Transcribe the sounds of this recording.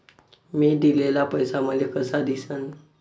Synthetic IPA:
miːd̪ilelapəjsaməd̪ʱjekəsad̪isən

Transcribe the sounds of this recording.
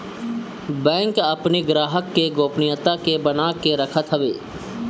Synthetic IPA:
bɛ̃ːŋkəpniɡɾaːɦəkːeɡoːpnijət̪akebənaːkeɾəkʰət̪ɦəʋeː

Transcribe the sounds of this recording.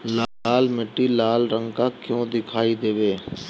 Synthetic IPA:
laːlmɪʈːilaːlɾə̃ŋɡkakjõːd̪ɪkʰaːid̪eːʋeː

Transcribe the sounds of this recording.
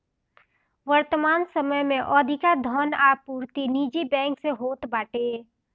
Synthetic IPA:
ʋəɾt̪əmaːnsəməjmẽʔɔːd̪ʱɪkad̪ʱɔːnaːpuːɾt̪iniːd͡ʒibɛ̃ːŋkseɦoːt̪baːʈeː

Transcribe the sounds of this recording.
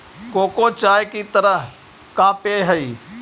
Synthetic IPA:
koːkoːt͡ʃaːjkit̪əɾəɦ | kãːpeːɦəiː

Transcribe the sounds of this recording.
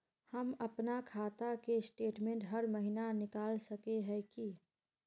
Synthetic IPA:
həməpnakʰaːt̪akesʈeːʈmẽːɳʈɦəɾməɦinanɪkaːlsəkeɦɛki

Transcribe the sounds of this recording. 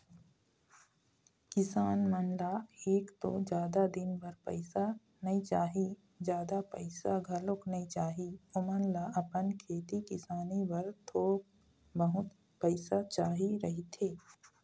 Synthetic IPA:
kɪsaːnmənlaeːkt̪o̰d͡ʒjaːd̪ad̪ɪnbəɾpə̰ɪsa | nɐɦit͡ʃaːɦi | d͡ʒjaːd̪apəɪsaɡʱɐlʊknɐɦĩt͡ʃaːɦiʊmənlaɐpənkʰeːt̪ikɪsaːnibɐɾt̪ʰoːk̚ | bəɦʊt̪ | pəɪsat͡ʃaːɦiɾɐɦit̪ʰeː

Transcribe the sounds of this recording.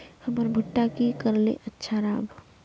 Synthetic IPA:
həmɔɾbʱʊʈːakikəɾlḛʔətːʃʰaɾaːbʱ

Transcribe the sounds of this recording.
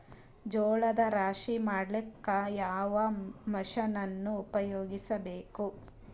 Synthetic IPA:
d͡ʒɔːɭɐd̪ɐɾaːʂimaːɽlikːɐjaːʋɐmɐʃɐnɐnːuːpɐjoːɡisɐbeːku

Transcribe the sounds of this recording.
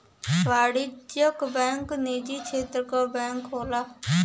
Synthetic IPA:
ʋaːɽid͡ʒjəkbɛ̃ːŋkneːd͡ʒiːt͡ʃʰeːt̪ɾkɔːbɛ̃ːŋkɦoːlaː

